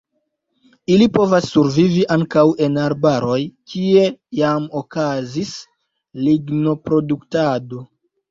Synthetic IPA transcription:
ilipo̞vasːuɾviviʔaŋkawe̞naɾbaɾo̞jkʰie̞jamo̞kazis | liɡno̞pɾo̞duktado̞

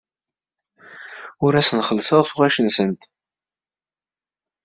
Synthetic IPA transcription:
ʊɾæsnχəlːsəðˤfuʁæʃənsənt̪

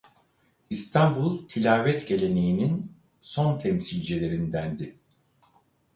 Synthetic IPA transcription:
ist̪ʰambulˠt̪ʰilʲaːvɛt̪ɟe̞lʲe̞ne̞jinin | so̞nt̪ʰɛmsilʲd͡ʒelʲe̞ɾind̪ænd̪ɪ

